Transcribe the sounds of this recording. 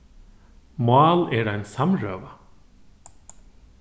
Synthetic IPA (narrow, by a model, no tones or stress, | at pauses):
mɑːlɛɾajnsamɹœːʋa